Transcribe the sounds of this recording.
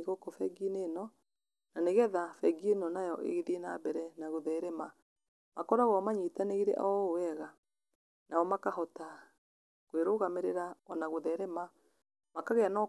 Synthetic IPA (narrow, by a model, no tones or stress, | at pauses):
ɣokɔfɛɡinenɔ | naneɣɛðafɛɡienɔnajɔʔḛɣeðiena̰bɛɾɛnaɣoðɛɾɛma | makɔɾaɣɔmaɲitaneɣeɾɛ̰ʔɔowɛɣa | nʔaɔmakaɦɔta | kweɾoːɣameɾeɾaɔnaɣoðɛɾɛma | makaɣɛanɔ